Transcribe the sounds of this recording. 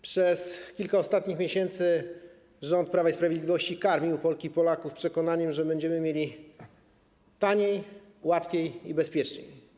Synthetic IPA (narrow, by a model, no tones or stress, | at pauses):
pʂɛskʲilkaɔst̪at̪ɲixmʲeɕɛnt̪sɘ | ʐɔnt̪̚pɾavaispɾavʲed̪lʲivɔɕt͡ɕikaɾmʲiupɔlkʲipɔlakufpʂɛkɔnaɲɛmʐɛbɛɲd͡ʑɛmɘmʲjelʲi | t̪aɲej | wat̪fʲejibɛspʲjɛt͡ʂɲḛj